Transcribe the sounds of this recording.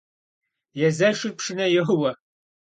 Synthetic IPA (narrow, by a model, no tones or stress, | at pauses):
jɛzɐʂɨr̚pʰʂɨnɐjɛwɐ